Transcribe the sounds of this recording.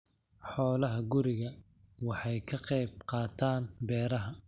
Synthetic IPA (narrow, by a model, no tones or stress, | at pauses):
ħɔːlɐɦɐɡʊɾɪɣɐ | wɑħɑjkʰɐqɛjb̚qɑːt̪ʰaːnbɛːɾɐɦɐ